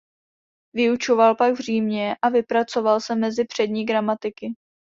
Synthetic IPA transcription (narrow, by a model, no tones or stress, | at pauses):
vɪut͡ʃo̞valpaɡvr̝iːmɲɛʔavɪpɾat͡so̞valsɛmɛzɪpr̝̥ɛdɲiːɡɾamat̪ɪkɪ